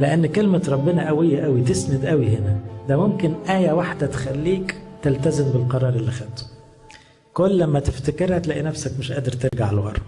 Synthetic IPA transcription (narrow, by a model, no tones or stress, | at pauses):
leʔænːkelmæt̪ɾˤɑbːenæʔæwejːæʔæwit̪esnæd̪ʔæwihenæd̪æmomkɪnʔæːjæwaħd̪æt̪e̥xælːiːkt̪elt̪æzembɪlqɑɾˤɑːɾˤʔelːixæd̪t̪ːu̥ | kolːæmːæt̪eft̪ekeɾæt̪læʔinæfsækmɪʃʔæːd̪eɾt̪eɾɡaʕlwɑ̰ɾˤ